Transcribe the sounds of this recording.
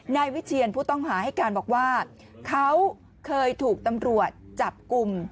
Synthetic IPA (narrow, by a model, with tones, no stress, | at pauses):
naː˧jwi˦˥t̪̚t͡ɕʰi˧ənpʰuː˥˩t̪ɔ˥˩ŋɦaː˩˦ha˥˩jkaː˧nbɔː˨˩k̚waː˥˩ | kʰa˦˥w | kʰɤː˧jt̪ʰuː˨˩k̚t̪a˧mɾu˨˩ət̪̚t͡ɕa˨˩p̚ku˧m